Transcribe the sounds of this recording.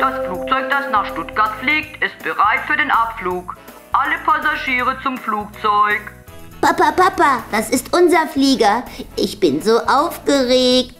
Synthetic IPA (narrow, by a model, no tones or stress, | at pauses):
d̥asfluːk̚t͡sɔʏk̚d̥asnaːχʃtʊtɡ̥aɐtfliːk̚tɪst̚b̥əʁaɪtfyːɐdeːnʔapfluːk | ʔaləpʰazaʒiːʁət͡sʊmfluːk̚t͡sɔʏk | papapapad̥asɪstʔʊnzɐfliːɡɐʔɪçb̥ɪnzoːʔaʊfɡ̥əʁeːk̚t